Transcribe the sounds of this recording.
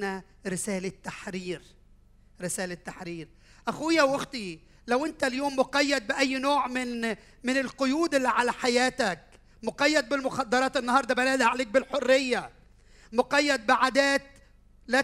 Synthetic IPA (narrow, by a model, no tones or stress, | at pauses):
næ | ɾɪsæːlɪt̪ːaħɾiːɾ | ɾɪsæːlɪt̪ːaħɾiːɾ | ʔæxuːjæwʔoxt̪i | læwʔɪnt̪æljoːmːoqɑjːæd̪̚bɪʔæjːnoːʕmɪn | mɪnɪlqojuːd̪ʔɪlːiʕalæħajæːt̪æk | moqɑjːæd̪̚bɪlmʊxɑd̪ːɑɾˤɑːt̪ʔɪnːɑhɑːɾˤd̪ˤɑbælæːd̪haʕleːk̚bɪlħorːejːæ | moqɑjːæd̪̚bɪʕad̪æːt̪̚ | læ